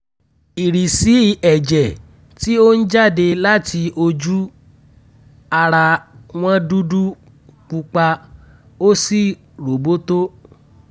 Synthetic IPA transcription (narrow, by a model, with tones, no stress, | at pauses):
i˨ɾi˨si˨˦i˧ɛ˨d͡ʒɛ˨ | ti˦o˦n̩˦d͡ʒa˦˨de˧la˦ti˧o˧d͡ʒu˦ | a˧ɾa˧w̃ɔ̃˦du˦du˦ | k͡pu˧k͡pa˧ | o˦si˦˨ | ɾo˨bo˦to˦